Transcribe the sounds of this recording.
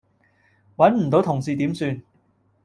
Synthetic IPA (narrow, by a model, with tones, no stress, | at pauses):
wɐ˨˥nm̩˨˩t̪o˨˥wt̪ʰʊ˨˩ŋsiː˨t̪iː˨˥msyː˧n